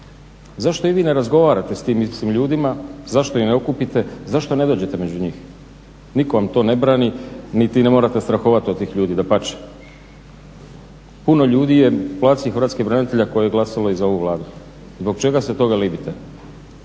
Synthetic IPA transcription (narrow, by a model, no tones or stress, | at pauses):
zaʃt̪o̞iʋiːne̞ɾazɡo̞ʋaːɾat̪e̞st̪iːmisiːmʎuːd̪imazaʃt̪o̞ineo̞kupit̪e̞zaʃt̪o̞ne̞d̪oːd͡ʑe̞t̪emed͡ʑuɲiːx | niko̞ʋamt̪o̞ne̞bɾaːninit̪inemo̞ɾat̪e̞st̪ɾaxoʋat̪iot̪t̪ːiːxʎuːd̪id̪apat͡ʃe̥ | puno̞ʎuːd̪ije̞plˠaːt̪sixɾʋat̪skibɾanit̪e̞ʎako̞jejeɡlˠasalo̞izao̞ʋuʋlˠaːd̪u | zbo̞ɡ̚t͡ʃe̞ɡaset̪o̞ɡalibit̪e